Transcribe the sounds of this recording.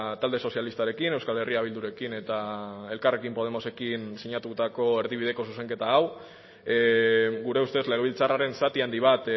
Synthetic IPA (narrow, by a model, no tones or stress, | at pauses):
t̪ald̪e̞so̞sjalist̪aɾe̞kine̞wskale̞riaβ̞ild̪uɾe̞kine̞t̪ae̞lkare̞kimpo̞ð̞e̞mo̞se̞kinsiɲat̪ut̪ako̞e̞ɾðiβ̞ið̞e̞ko̞suse̞ŋke̞t̪aːw | ɡuɾe̞ust̪e̞sle̞ɣeilt͡saraɾe̞nsat̪iand̪iβ̞at̪